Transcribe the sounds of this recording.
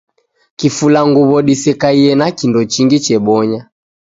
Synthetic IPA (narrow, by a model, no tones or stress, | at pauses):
kifulaŋɡuβɔɗisɛkaiɛnakindɔt͡ʃiŋɡit͡ʃɛɓɔɲa